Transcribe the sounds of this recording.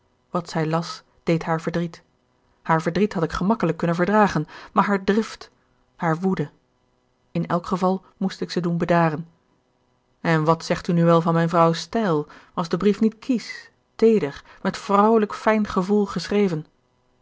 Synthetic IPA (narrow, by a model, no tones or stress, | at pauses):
ʋɑtsɛjlɑs | d̥ejtɦaːɹvəɹdrit | haːɹvəɹdritɦɑtɪkχəmɑkələkːɵnənvəɹdraːχənmaːɹɦaːɹdrɪft | haːɹʋudə | ɪnɛlˠkχəvɑlˠ | mustɪksədunbədaːrən | ɛnʋɑtsɛχtynyʋɛlˠvɑnmɛjnvrɑwstɛjlˠʋɑzdəbrifnitkʰis | tejdəχ | mɛtfrɔwləkfɛjnχəvulˠχəsrejvən